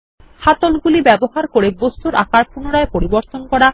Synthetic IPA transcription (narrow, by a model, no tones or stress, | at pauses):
hat̪olɡulibɛboɦaɾkoɾebost̪uɾʔa̰kaɾpunoɾaepoɾiboɾt̪onkɔɾa